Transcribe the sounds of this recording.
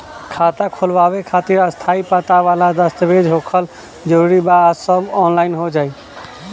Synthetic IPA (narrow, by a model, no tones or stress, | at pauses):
kʰat̪akʰolbabekʰat̪iɾast̪ʰaipət̪aʋalad̪əst̪əbed͡ʒɦokʰəl | d͡ʒəɾuɾibasəbɔnlainɦod͡ʒai